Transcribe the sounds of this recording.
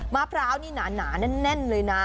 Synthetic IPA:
maː˧˩pʰɾaː˦˥wniː˥˩naː˨˩˦naː˩˦na˥˩nːɛ˥˩nlɤː˧jna˦˥

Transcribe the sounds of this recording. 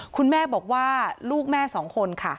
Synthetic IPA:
kʰu˧nmɛː˥˩bɔː˨˩k̚waː˥˩luː˥˩k̚mɛː˥˩sɔː˩˦ŋkʰo˧nkʰa˥˩

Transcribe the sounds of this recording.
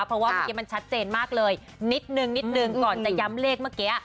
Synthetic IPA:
a˦˥wpʰɾɔ˦˥waː˥˩mə˧˩ke˦˥ma˧nt͡ɕʰa˦˥t̪̚t͡ɕeː˧nmaː˥˩k̚lɤː˧j | ni˦˥t̪̚nɯ˨˧ŋni˦˥t̪̚nɯ˨˧ŋkɔː˨˩nt͡ɕa˨˩ja˦˥mleː˥˩k̚mɯː˥˩ke˦˥

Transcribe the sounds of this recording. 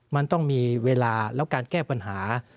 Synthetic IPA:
ma˧nt̪ɔ˥˩ŋmiː˧weː˧laː˧lɛː˦˥wkaː˧nkɛː˥˩pa˧nɦaː˩˦

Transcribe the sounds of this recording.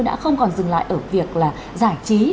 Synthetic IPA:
jɗa̰ː˧˥xə˧wŋ͡mkɔ˨˩nzɨ˨˩ŋla̰ː˧˨jʔəː˧˩vi˨˩ək̚laː˨˩ | zaː˧˩t͡ɕi˨˦

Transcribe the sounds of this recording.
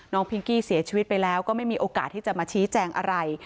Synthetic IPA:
nɔː˦˥ŋpʰi˦˥ŋkiː˥˩si˨˩˦ɐt͡ɕʰiː˧wi˦˥t̪̚pa˧jlɛː˦˥wkɔ˥˩ma˥˩jmiː˧ʔoː˧ka̰ː˨˩t̪ʰːiː˥˩t͡ɕa˨˩maː˧t͡ɕʰiː˦˥t͡ɕɛː˧ŋʔa˧ɾa˧j

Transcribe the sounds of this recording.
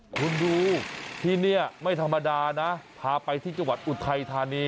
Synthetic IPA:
kʰu˧nduː˧t̪ʰiː˥˩ni˥˩ɐma˥˩jt̪ʰa˧mːa˧daː˧na˦˥pʰaː˧pa˧jt̪ʰiː˥˩t͡ɕa˧ŋwa˨˩t̪̚ʔu˨˩t̪ʰa˧jt̪ʰaː˧niː˧˥

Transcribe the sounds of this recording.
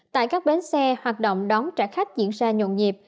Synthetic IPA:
t̪a̰ː˧˨jkaː˦˥k̚ɓe˨˦nsɛ˧hwaː˨˩t̚ɗo̰˧˨wŋ͡mɗɔ˨˦nt͡ɕaː˧˩jxa˦˥jk̟̚zḭ˧˨ənzaː˧ɲo̰˧˨nɲi˨˩p̚

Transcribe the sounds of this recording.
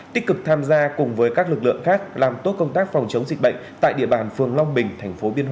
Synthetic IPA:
t̪i˦˥k̚kɨ˨˩k̚t̪ʰaː˧mzaː˧kʊ˨˩ŋ͡mvəː˨˦jkaː˦˥k̚lɨ˨˩k̚lɨ̰˧˨əŋxaː˦˥k̚laː˨˩mt̪o˦˥t̚kə˧wŋ͡mt̪aː˦˥k̚fɔ˨˩wŋ͡mt͡ɕə˨˦wŋ͡mzi̟˨˩ɓə̰˧˨ŋt̪a̰ː˧˨jɗḭ˧˨əɓaː˨˩nfɨ˨˩əŋla˧wŋ͡mɓï˨˩ŋ̟t̪ʰɛ˨˩jŋ̟fo˨˦ɓi˧ənɦw

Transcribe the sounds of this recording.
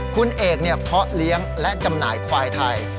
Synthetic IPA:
kʰu˧nʔeː˨˩k̚ni˥˩əpʰɔ˦˥ʔli˦˥əŋlɛ˦˥ʔt͡ɕa˧mnaː˩˦jkʰwaː˧jt̪ʰa˧j

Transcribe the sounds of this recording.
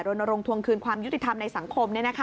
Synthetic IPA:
ɾo˧na˧ɾo˧ŋt̪ʰu˧əŋkʰɯː˧nkʰwaː˧mju˦˥t̪ːi˨˩t̪ʰa˧mna˧jsa˨˩˦ŋkʰo˧mni˥˩ɐna˦˥kʰa˦˥

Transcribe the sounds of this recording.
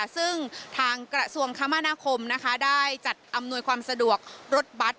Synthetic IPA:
sɯ˥˩ŋt̪ʰaː˧ŋkɾa˧su˧əŋkʰa˦˥mːa˧naː˧kʰo˧mna˦˥kʰa˦˥daː˥˩jt͡ɕa˨˩t̪̚ʔa˧mnu˧əjkʰwaː˧msa˧du˨˩ək̚ɾo˦˥t̪̚ba˦˥t̪̚

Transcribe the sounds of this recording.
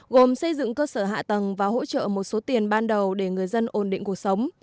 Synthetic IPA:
ɣo˨˩msə˧jzɨ̰˧˨ŋkəː˧səː˧˩ɦa̰ː˧˨t̪ə˨˩ŋvaː˨˩ɦo̰˧˥t͡ɕə̰ː˧˨mo˨˩t̚so˨˦t̪i˨˩ənɓaː˧nɗə˨˩wɗe˧˩ŋɨ˨˩əjzə˧nʔo˧˩nɗḭ˧˨ŋku˨˩ək̚sə˨˦wŋ͡m

